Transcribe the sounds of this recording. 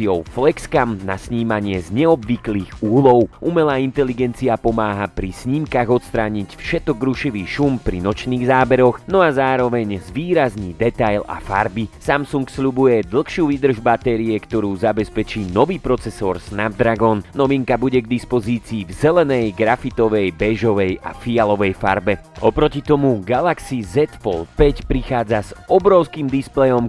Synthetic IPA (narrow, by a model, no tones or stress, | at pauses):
iɔʊflɛkskamna̰sɲiːmaɲɪɛzɲɛɔbʋikliːɣuːlɔʊʔumɛlaːint̪ɛliɡɛnt͡siapɔmaːɦapɾisɲiːmkaɣɔt̪st̪ɾaːɲicfʃɛt̪ɔɡɾuʃiʋiːʃumpɾḭnɔt͡ʃniːɣzaːbɛɾɔxnɔazaːɾɔʋɛɲzʋiːɾazniːd̪ɛt̪ajla̰fa̰ɾbisamsuŋksʎubujɛd̪l̩ˠxʃɪuːʋid̪r̩ʒbat̪ɛɾiɛkt̪ɔɾuːzabɛspɛt͡ʃiːnɔʋiːpɾɔt͡sɛsɔ̰ːɾsnab̚d̪ɾaɡɔnnɔʋiŋkabuɟɛɡd̪ispɔziːt͡siːvzɛlɛnɛjɡɾafit̪ɔʋɛjbɛʒɔʋɛja̰fialɔʋɛjfa̰ɾbɛɔpɾɔcit̪ɔmuɡalaksizɛt̪fɔ̰lpɛcpɾixaːd͡zaz̥ɔbɾɔʊskiːmd̪isplɛjɔm